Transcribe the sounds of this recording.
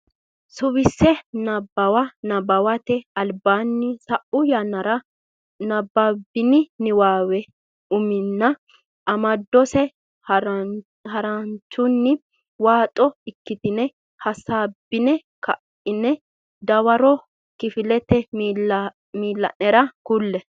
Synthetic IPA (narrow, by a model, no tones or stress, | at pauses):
sʊwɪsːɛnɐbːɐwɐnɐbɐwɐt̪ɛɐlbaːnːɪsɐʔʊjɐnːɐɾɐ | nɐbːabɪnɪnɪwaːwɛ | ʊmɪnːɐ | ʔɐmɐd̪ːɔsɛ | hɐɾɐnt͡ʃːʊnːɪ | waːt̪ʼɔɪkːɪt̪ɪnɛ | hɐsaːbːɪnɛ | kɐʔ | ɪnɛ | d̪ɐwɐɾɔ | kɪfɪlɛt̪ɛ | miːlːɐ̰nɛɾɐkʊlːɛ